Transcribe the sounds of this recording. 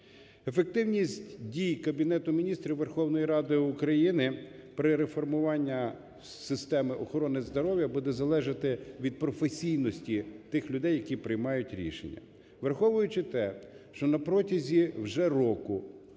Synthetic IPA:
efek̚t̪ɪwnʲisʲtʲdʲijkɐbʲinɛt̪ʊmʲinʲist̪ɾʲiwʋerxɔwnɔjiɾɑd̪ɪʊkɾɐjinɪpɾɪɾefɔrmʊʋɑnʲːɐ | sɪst̪ɛmɪʔɔxɔɾɔnɪzd̪ɔɾɔwjɐbud̪ɛzɐlˠɛʒɐt̪ɪʋʲid̪̚pɾɔfesʲijnɔsʲtʲit̪ɪxlʲʊd̪ɛjːɐkʲipɾɪjmɑjʊtʲɾʲḭʃḛnʲːɐ̰ | ʋerxɔʋʊjʊt͡ʃɪt̪ɛʃt͡ʃɔnɐpɾɔtʲɐzʲiwʒɛrɔkʊ

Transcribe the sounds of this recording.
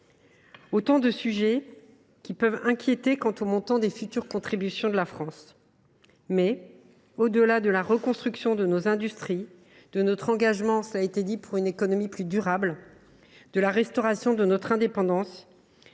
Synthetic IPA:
ot̪ɑ̃d̪əsyʒɛ | kʲipœvɛ̃kʲʰjet̪ekɑ̃t̪omɔ̃t̪ɑ̃d̪efyt̪yʁkɔ̃t̪χibysjɔ̃d̪əlafχɑ̃s | mɛ | od̪əlad̪əlaʁəkɔ̃st̪χyksjɔ̃d̪ənozɛ̃d̪yst̪χi | d̪̥ənɔt̪χɑ̃ɡaʒmɑ̃səlaet̪ed̪ipuʁynekɔnɔmiplyd̪yʁabl | d̪̥əlaʁɛst̪ɔʁasjɔ̃d̪ənɔt̪χɛ̃d̪epɑ̃d̪ɑ̃s

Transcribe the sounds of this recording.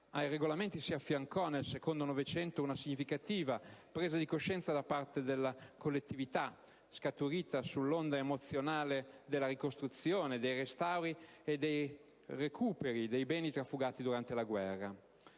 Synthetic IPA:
ajreɡolament̪isiafːjaŋkɔnelsekond̪onovet͡ʃɛnt̪ounasiɲːifikat̪iːvapɾeːzad̪ikoʃɛnt̪sad̪apart̪ed̪elːakolːet̪ːivit̪a | skat̪uɾiːt̪asulːond̪aemot̪sjonaːled̪elːaɾikost̪ɾut̪sjoːned̪ejrest̪awɾied̪ej | rekʰuːpeɾid̪ejbɛːnit̪ɾafːuɡaːt̪id̪uɾant̪elaɡwɛrːa

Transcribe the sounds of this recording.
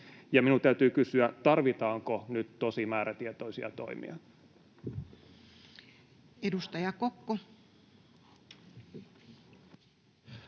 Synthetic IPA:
jɑminut̪æyt̪yːkysyæt̪ɑrʋit̪ɑːŋkonyt̪t̪osimæːɾæt̪iet̪o̞isiɑ̰t̪o̞̰imḭɑ | edust̪ɑjɑkokːo

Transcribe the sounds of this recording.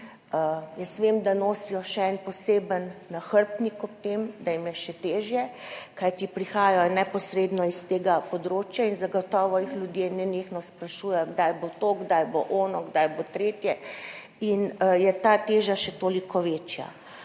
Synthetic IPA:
əjɛst̪ʋemd̪anoːsijɔʃɛɛnpɔseːbənːaxəɾpnikɔp̚t̪emd̪ajimjɛʃɛt̪eːʒjɛkajt̪ipɾixaːjajɔnɛpɔsɾeːd̪nɔist̪eːɡapɔd̪ɾoːt͡ʃjainzaɡɔt̪ɔːʋɔjixlʲjud̪jenɛnexnɔspɾaʃuːjɛjɡd̪ajbot̪oɡd̪ajboʔɔːnɔɡd̪ajbot̪ɾeːt̪jɛ | injɛt̪at̪eːʒjaʃɛt̪oːlikʰɔʋet͡ʃja̰

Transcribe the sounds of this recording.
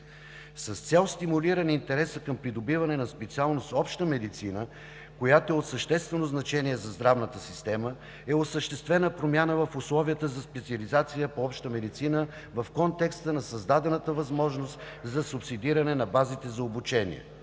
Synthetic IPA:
sɐst̪sʲɛlˠst̪imuliɾənint̪ɛɾɛsəkɐmpɾid̪obivɐnɛnɐspɛt̪sialˠnost̪ɔpʃt̪əmɛd̪it̪sinə | kojat̪oɛot̪səʃt̪ɛst̪vɛnoznɐt͡ʃɛniɛzɐzd̪ɾavnət̪əsist̪ɛmə | ɛosəʃt̪ɛst̪vɛnəpɾomʲjanəvəfʊslˠɔvijət̪əzɐspɛt̪siɐlizat̪sijəpoɔpʃt̪əmɛd̪it̪sinə | vɐfkɔnt̪ɛkst̪ənɐsɐzd̪ad̪ɛnət̪əvɐzmɔʒnost̪ | zɐsʊpsid̪iɾɐnɛnɐbazit̪ɛzɐobut͡ʃɛnḭɛ̰

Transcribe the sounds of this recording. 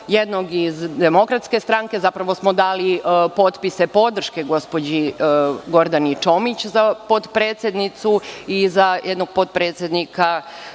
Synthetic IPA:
jed̪noɡizd̪e̞mo̞kɾat̪ske̞st̪ɾaːŋke̞zapɾaʋo̞smod̪aːlipo̞t̪pise̞po̞d̪r̩ʃke̞ɡo̞spod͡ʑiɡo̞ɾd̪anit͡ʃo̞mit͡ɕzapo̞d̪pɾeːt̪sjed̪nit̪suizajʔed̪noɡ̚po̞dt̪̚pɾe̞ːt̪sje̞d̪nika

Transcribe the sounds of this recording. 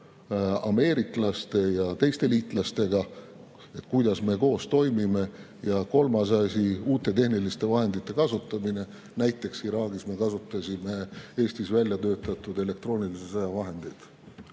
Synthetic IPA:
ɑ̰me̞ːɾikˑlɑst̪e̞jɑt̪e̞jst̪e̞liːt̪ˑlɑst̪e̞ɡɑ | e̞t̪ːˑkujd̪̥ɑsme̞ko̞ːst̪o̞jmime̞ | jɑko̞lmɑs̬ɑsʲiuːt̪ːˑe̞t̪e̞hnilist̪e̞vɑɦe̞nd̪it̪ˑːe̞kɑsut̪ːˑɑmine̞ | næjt̪ːˑe̞ksiɾɑːɡ̥ismekɑsut̪ːˑɑsʲime̞e̞ːst̪isvælʲjɑt̪øːt̪ːˑɑt̪ːˑud̪e̞le̞kt̪ro̞ːnilisesɑjɑvɑɦe̞nd̪̥ejd̪̥

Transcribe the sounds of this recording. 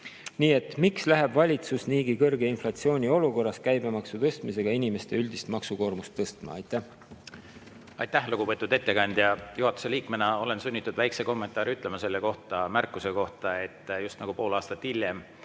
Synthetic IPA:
niːe̞t̪ːˑmikslæɦeb̥vɑlʲit̪susniːɡikɤrɡe̞inflɑt̪sio̞ːnʲio̞luko̞rːɑs̚kæjbe̞mɑksut̪ɤst̪mise̞ɡ̥ɑinʲime̞st̪e̞ylʲd̪ist̪mɑksuko̞ːrmust̪ːɤst̪mɑ̰ɑ̰jt̪ːˑæh | ɑ̰jt̪ːæhluɡ̥upɤt̪ːˑud̪̥e̞t̪ːe̞kɑnʲd̪̥jɑjuɦɑt̪ːˑu̥se̞liːkmenɑo̞le̞nsunʲːit̪ːˑud̪væjkseko̞mːe̞nt̪ːˑɑːɾyt̪ːˑle̞mɑse̞lːeko̞ht̪ɑmærkːˑuse̞ko̞ht̪ɑe̞t̪ːˑjust̪nɑɡ̥upo̞ːlɑːst̪ɑt̪ːhilʲːem

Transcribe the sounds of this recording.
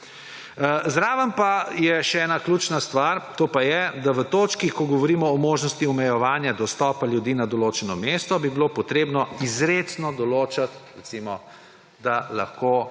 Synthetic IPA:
zɾaːʋɐmpajɛʃɛɛːnakluːt͡ʃnast̪ʋaɾt̪oːpajɛd̪aʋət̪oːt͡ʃkikɔɡɔʋɔɾiːmɔːmoːʒnɔst̪iɔmɛjɛʋaːnjad̪ɔst̪ɔpaljud̪iːnad̪ɔloːt͡ʃɛnɔmest̪ɔbibilopɔt̪ɾeːbnɔizɾesnɔd̪ɔloːt͡ʃat̪ɾɛt̪simɔ | d̪ala̰xko

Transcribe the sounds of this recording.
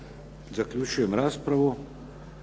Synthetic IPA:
zaklʲut͡ʃujɛmɾaːspɾavu

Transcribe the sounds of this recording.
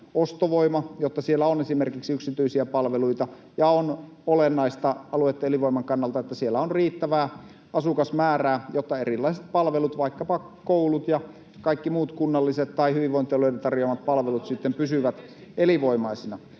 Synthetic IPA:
ost̪oʋoimɑjot̪ːɑsielːæonesimerkiksiyksit̪yisiæpɑlʋeluit̪ɑ | jɑon | olenːɑist̪ɑɑluet̪ːeeliʋoimɑŋkɑnːɑlt̪ɑet̪ːæsielːæonriːt̪ːæʋæː | ɑsukɑsmæːræːjot̪ːɑerilːɑiset̪̚pɑlʋelut̪ʋɑikːɑpɑ | koulut̪jɑ | kɑikːimuːt̪kunːɑlːiset̪t̪ːɑihyʋiʋʋoˑint̪ioloident̪ɑrjoɑmɑt̪̚pɑlʋelut̪sit̪ːempysyʋæt̪ | eliʋoimɑisinɑ

